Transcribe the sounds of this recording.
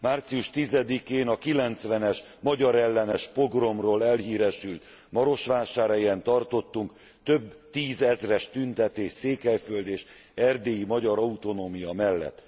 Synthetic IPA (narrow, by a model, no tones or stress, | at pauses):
maːrt̪sijuʃt̪izɛd̪ikeːnɒkilɛnt̪sʋɛnɛʃ | mɒɟɒɾɛlːɛnɛʃpo̞ɡro̞mroːlɛlɦiːɾɛʃylt̪ | mɒɾo̞ʃʋaːʃaːɾɛjɛnt̪ɒrt̪o̞t̪ːuŋk | t̪ø̞bt̪iːzɛzrɛʃt̪ynt̪ɛt̪eːʃseːkɛjføld̪eːʃ | ɛrd̪eːjimɒɟɒɾɒut̪o̞noːmijɒmɛlːɛ̰t̪ː